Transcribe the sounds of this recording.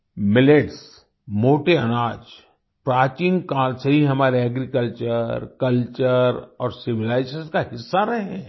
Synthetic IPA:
mɪleʈs | moːʈeɐnaːd͡ʒ | pɾaːt͡ʃĩːŋɡkaːlseɦiɦɐmaːɾeɐɡɾikəlt͡ʃəɾkɐlt͡ʃəɾɔːɾsɪʋɪlaːɪsəskaɦɪsːaɾɐɦeɛ̃

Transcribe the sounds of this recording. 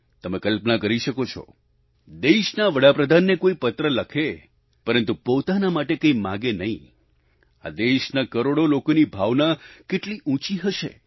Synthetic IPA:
t̪əmekəlpnakəɾiʃəkot͡ʃʰɔ̰ | d̪eʃnaʋəɽapɾəd̪ʱanːekoipət̪ɾələkʰe | pəɾənt̪upot̪anamaʈekəimãɡenəɦḭ̃ | a̰d̪eʃnakəɾoɽolokonibʱaʋnakeʈliʔũt͡ʃiɦəʃḛ

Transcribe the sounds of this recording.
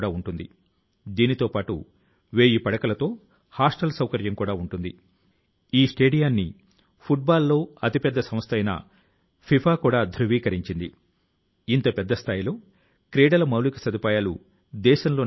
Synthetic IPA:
ɽaːuɳʈund̪ḭ | d̪iːnit̪o̞ːpaːʈṵ | ʋeːjipɐɽɐkɐlɐt̪o̞ː | haːsʈɐlsɐwkɐɾjɐmkuːɽaːuɳʈund̪ḭ | iːsʈe̞ːɖijaːnːḭ | pʰuʈ̚baːlːo̞ːɐt̪ipɛd̪ːɐsɐmst̪ʰɐjnɐ̰ | pʰipʰaːkuːɽaːd̪ʱɾuʋiːkɐɾiɲt͡ʃind̪i | int̪ɐpɛd̪ːɐst̪ʰaːjilo̞ː | kɾeːɽɐlɐmɐwlikɐ̥sɐd̪upaːjaːlṵ | d̪ɛːʃɐnlo̞ː

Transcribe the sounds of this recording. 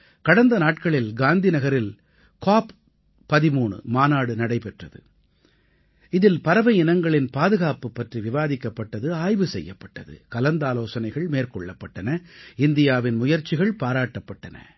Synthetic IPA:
kɐɽɐnd̪ɐnaːʈkɐɭɪlɡaːnd̪ɪnɐɣɐɾɪl | kaːp | pːɐðɪmuːɳɯ̰maːnaːɽɯnɐɽɐɪpɛʈrɐðɯ̰ | ɪðɪlpɐɾɐʋɐɪɪnɐŋɡɐɭɪnpaːðɯɣaːpɯpːɐʈriʋɪʋaːðɪkːɐpːɐʈːɐðɯaːjʋɯsɛ̰jːɐpːɐʈːɐðɯ̰kɐlɐnd̪aːloːsɐnɐɪɣɐɭmeːrkɔɭːɐpːɐʈːɐnɐɪnd̪ɪjaːʋɪnmʊjɐɾt͡ʃːɪɣɐɭpaːɾaːʈːɐpːɐʈːɐnɐ̰

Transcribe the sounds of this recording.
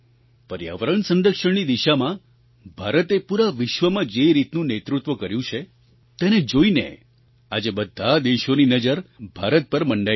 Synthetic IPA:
pəɾja̰ʋəɾəɳsə̃nd̪əkʃəɳnid̪iʃamã | bʱaɾət̪epuɾaʋɪʃʋəmãd͡ʒeɾit̪nũnet̪ɾut̪ʋəkəɾjũt͡ʃʰe | t̪ened͡ʒoinḛ | ad͡ʒebəd̪ʱːad̪eʃoninəd͡ʒəɾbʱaɾət̪̚pəɾməɳɖa

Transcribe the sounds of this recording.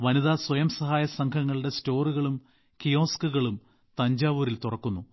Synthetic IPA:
ʋɐniðaːswɐjɐmsɐɦaːjɐsɐŋkʰɐŋːɐɭuɽe̞sto̞ːruɣɐɭum | kijo̞ːskuɣɐɭum | t̪ɐɲd͡ʑaːʋuːɾilt̪urɐkːunːu

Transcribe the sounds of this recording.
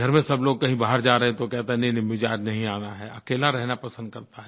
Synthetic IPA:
ɡʱɐɾmẽsɐbloːɡ̚kɐɦĩbaːɦəɾd͡ʒaːɾɐɦẽt̪okɛɦt̪eɦɛnɐ̃nɪmɪd͡ʒaːd͡ʒnɐɦĩaːnaɦɛːɐkeːlaɾɛɦnapɐsə̃nd̪̚kɐɾt̪aɦɛ

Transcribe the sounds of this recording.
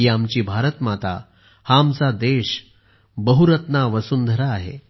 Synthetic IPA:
iamt͡ɕiːbʱaɾət̪mat̪a̰ | hamt͡sad̪eɕ | bəɦuɾət̪naʋəsuːnd̪ʱəɾaːɦḛ

